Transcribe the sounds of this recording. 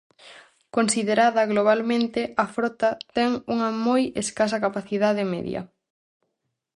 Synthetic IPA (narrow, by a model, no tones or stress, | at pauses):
konsiðeɾaðɐɣloβ̞almẽnt̪ɪɐfɾɔt̪ɐt̪ɛŋuŋɐmojeskasɐkapaθiðaðemɛ̰ðjɐ̰